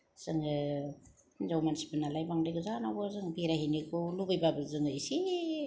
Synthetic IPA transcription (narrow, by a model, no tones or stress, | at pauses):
z̥ɯŋɯ | nzawmansi̥bɯnalajbaŋdajɡɯzanabɯzɯŋbiɾaɦinikulubɯjbabɯzɯŋɯjsi